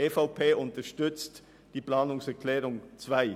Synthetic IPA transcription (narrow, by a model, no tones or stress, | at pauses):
eːfaʊpʰeːʊntəʃtʏt͡st | d̥iːpl̥aːnʊŋsɛɐkʰlɛːʁʊŋt͡sv̥aɪ